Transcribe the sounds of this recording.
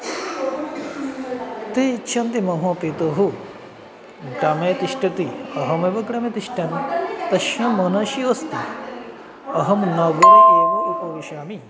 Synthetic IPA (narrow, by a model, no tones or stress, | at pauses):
t̪eːiʃʰɐnt̪imɐɦɐ̃ːpit̪oːɦu | ɡɾɐmeːt̪iʃʈɐt̪iɐɦɐmeʋɐɡɽɐmet̪iʃʈɐnit̪ɐʃjɐ̃mɐnɐʃioːst̪i | ɐɦɐmnɐːɡuɾeːʋɐʔikoːʋiʃaːmi